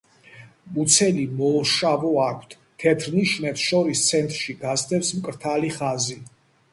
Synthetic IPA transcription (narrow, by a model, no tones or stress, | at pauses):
mut̪sʰɛlimɔːʃavɔakʷʰt̪ʰ | t̪ʰɛt̪ʰɾniʃmɛpsʃɔɾist̪sʰɛnt̪ʼɾʃiɡast̪ʰɛpsmkʼɾt̪ʰaliχazi